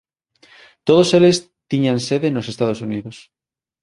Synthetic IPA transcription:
t̪oð̞oseles | t̪iɲanseðenosest̪aðosuniðos

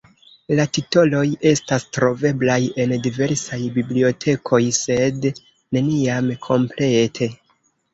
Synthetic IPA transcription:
latito̞lo̞je̞stastɾo̞ve̞blaje̞ndive̞ɾsajbiblio̞tʰe̞kʰo̞jse̞d | ne̞niamkʰo̞mple̞tʰe̞

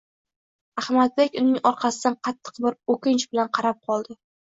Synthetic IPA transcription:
ahmad̪̚bekʲʊnɪŋɒɾqʰɑsɪd̪anqʰɑt̪ʰːɨ̥qbɪɾokʲɪnt͡ʃbɪlanqʰɑɾap̚qʰɒlˠd̪ɪ

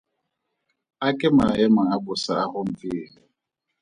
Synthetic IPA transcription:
akʼɛmaajɛmaabʊsaahʊm̩fɪːli

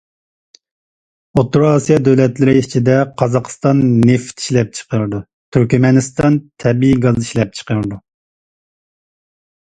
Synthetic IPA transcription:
ot̪ːuɾɑsijɑd̪øwlɛt̪lɪɾɪit͡ʃʰid̪ɛqʰɑzɑqst̪ɑnːeft̪i̥ʃlɛp̚t͡ʃʰə̥qəɾɨd̪u | t̪ʰyɾkʲmɛnɨst̪ɑnt̪ʰɛbiiɡɑziʃlɛp̚t͡ʃʰə̥qəɾɨd̪u

